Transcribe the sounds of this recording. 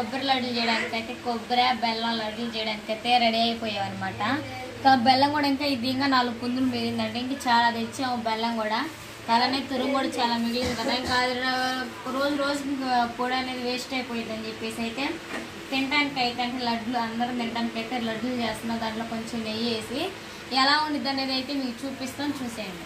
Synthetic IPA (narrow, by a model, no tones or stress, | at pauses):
kobɐɾɐlɐɖult͡ʃɛːjɐɽaːnikɐjt̪eːkobɐɾaːbɛlːɐːlɐɖult͡ʃɛjɐɽaːnikɐjt̪e̞ɾɐɽiɐjpɔːjaːʋɐnɐmaːʈɐ | kabɛlːɐŋɡuːɽaiŋkaːid̪iɐŋɡaːnaːlːupund̪ulumiɾind̪ɐɳʈeiŋkɐt͡ʃaːlad̪et͡ʃːeːobɛlːɐŋɡuːɽa | k̪ɐlaːneːt̪uɾuŋɡuːɽɐt͡ʃaːlaːmiɡilid̪kɐd̪aːiŋkai | ɾoːd͡ʒuɾo̞ːd͡ʒupoːɽɐne̞ːd̪iʋeːsʈɐjpoːjid̪ɐnd͡ʒepːe̞ːsiɐjt̪e̞ː | t̪iɳʈaːnikɐjit̪ɐɳʈeːlɐɖluɐnd̪ɐɾɐnt̪iɳʈaːnikɐjt̪eːlɐɖːulut͡ʃeːst̪unːaːd̪aːɳʈloːko̞ɲt͡ʃemːeje̞ːsi | ɛlaːunid̪ɐne̞ːd̪ɐjt̪e̞ːmiːkut͡ʃuːpist̪aːnt͡ʃuːsaːɳɖi